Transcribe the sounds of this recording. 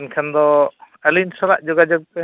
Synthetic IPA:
nkʰand̪ɔ | alinsɔlaʔd͡ʒɔɡad͡ʒɔɡ̚pɛ

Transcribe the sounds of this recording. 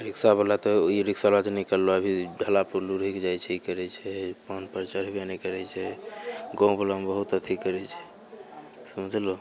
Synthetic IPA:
ɾiksabəlat̪ɔiɾiksalad͡ʒnikəlːoəbʱiɖʱəlapuɾluɾikd͡ʒajt͡ʃʰɛikəɾɛt͡ʃʰɛpənpəɾt͡ʃəɾ̤benɛkəɾɛt͡ʃʰɛɡɔ̃ũbʱələmbəɦut̪ət̪ʰikəɾɛt͡ʃʰɛ̥ | sumd͡ʒ̪lo

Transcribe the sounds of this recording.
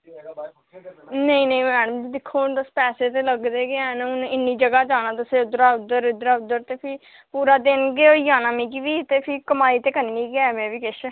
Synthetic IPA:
nəĩːnəĩːmɛːɽəmd͡ʒid̪ɪkʰːoːnt̪əspɛːseːt̪eːləɡd̪eːɡeaːnʊnɪnːiːd͡ʒəɡaːd͡ʒaːnaːt̪ʊsẽːʊd̪ɾaːʊd̪əɾʊd̪ɾaːʊd̪ːəɾt̪eːpʰɪ | puːɾaːd̪ɪnɡeːoːd͡ʒaːnaːmĩːkiːʋiːt̪eːpʰɪkəmaːiːt̪eːkəniːnĩːɡaːmɛ̃ːʋiːkɪʃ

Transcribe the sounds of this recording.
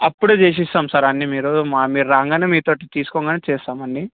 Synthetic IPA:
ɐpːuɽut͡ʃeːs̬ist̪aːmsɐɾaːnːimiːɾumaːmiːɾuɾaːŋɡɐnɐmiːt̪oːʈit̪iːsu̥kɔŋɡɐnet͡ʃeːst̪aːmɐnːi

